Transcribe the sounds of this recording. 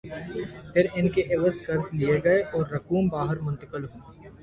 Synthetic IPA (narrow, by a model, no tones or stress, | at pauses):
pʰɪɾɪnkeʔɪʋəskɐɾznijeɡɐeʔɔːɾːɐkuːmbaːɦəɾmʊ̃nt̪əkəlɦũː